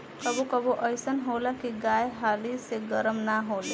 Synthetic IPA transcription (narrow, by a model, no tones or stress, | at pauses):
kəbokəboʔəjsənɦoːlakiɡajɦaliseɡəɾəmnaɦoːle